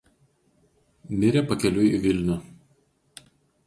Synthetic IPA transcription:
nʲɪɾʲɛpɐkʲɛlʲʊiʋʲɪlʲnʲʊ

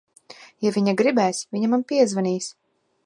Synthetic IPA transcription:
javʲiɲaɡɾibɛːsvʲiɲamanpiɛzvaniːs

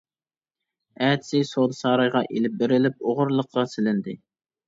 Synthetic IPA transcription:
æt̪sɪsod̪sɑːɾɑjʁɑʔelɪp̚bɪɾɪlɪp̚oʁʊɾlˠəqːɑsɪlɪnd̪ɪ

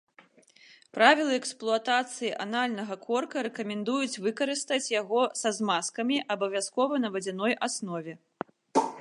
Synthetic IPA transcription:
pɾavʲilˠɨɛksplˠuat̪at̪sɨjiʔanalʲnɐɣɐkʰɔrkɐɾɛkɐmʲɛnd̪ujut͡sʲvɨkɐɾɨst̪ɐt͡sʲjaɣɔsɐzmaskɐmʲiʔɐbɐvʲaskɔvɐnɐvɐd͡zʲɛnɔjʔasnɔvʲɛ

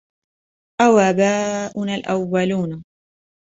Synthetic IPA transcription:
ʔawabaːʔʊnalʔawːaluːna

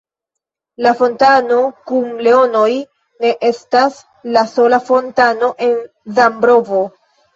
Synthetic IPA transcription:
lafo̞ntano̞kumle̞o̞no̞j | ne̞ʔe̞stas | laso̞lafo̞ntano̞ʔe̞n | zambɾo̞vo̞

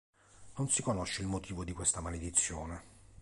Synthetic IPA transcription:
nonsikonoʃːeilmot̪ʰiːvod̪ikwest̪amaled̪it̪sːjoːne

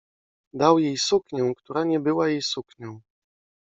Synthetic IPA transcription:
d̪awjejsukɲɛw̃kt̪uɾaɲɛbɘwajejsukɲɔ̃w̃

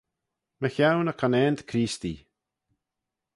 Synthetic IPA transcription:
məçawnəkʰanɛːnd̪kʰɾiːst̪ḭ

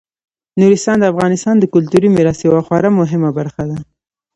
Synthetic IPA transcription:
nuɾɪst̪ɑnd̪əafɣɑnɪst̪ɑnd̪əkʊlt̪uɾimɪɾɑst̪jawaxwɑɾamʊɦɪmabaɾxad̪a

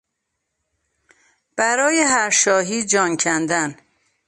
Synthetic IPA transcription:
b̥æɾɒːjeɦæɾʃɒːɦiːd͡ʒɒːncʰænd̪æn

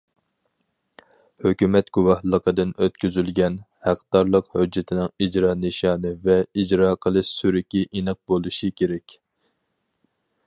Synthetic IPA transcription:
høkʲymɛt̪ɡ̥uwɑhlˠəqəd̪ɨnøt̪̚kʲyzylɡʲɛn | hæqd̪ɑɾlˠəqhød͡ʒːɪt̪ʰɪnɪŋid͡ʒɾɑːnɨʃɑːnɨvɛid͡ʒɾɑːqʰəlˠɨʃsyɾɪkʲiʔinɨq̚bolˠuʃikʲʰeɾɛkʲ

